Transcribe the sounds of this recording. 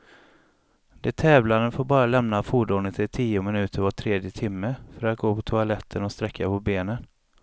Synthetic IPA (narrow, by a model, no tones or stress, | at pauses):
d̪̥ɛt̪ʰɛːvlanənfoːɾbɑːɾalɛmnafuːɖuːnət̪ʰɪt̪ʰiːʊmɪnʉ̟ːt̪ʰəɾvaʈ̪ʰɾeːd̪jət̪ʰɪmːəfœɾat̪̚ɡoːpʰɔt̪ʰʊalɛt̪ʰːənɔst̪ɾɛkʰːapʰɔbeːnən